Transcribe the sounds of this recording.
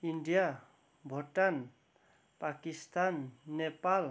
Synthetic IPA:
iɳɖija | bʱɔʈan | pakist̪anːepal

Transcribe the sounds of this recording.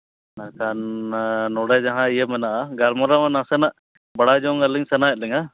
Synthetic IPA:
nakannɔɽɛd͡ʒaɦãijemɛnaʔaɡalmɔɾamanasɛnaʔ | bɐɽad͡ʒɔŋaliŋsɛnaɛt̪̚liŋa

